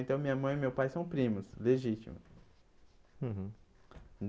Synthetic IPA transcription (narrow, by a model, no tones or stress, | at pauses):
ẽnt̪ɐ̃w̃mĩɲɐmɐ̃j̃imewpajsɐ̃w̃pɾĩmʊsleʒit͡ʃḭmʊ̰s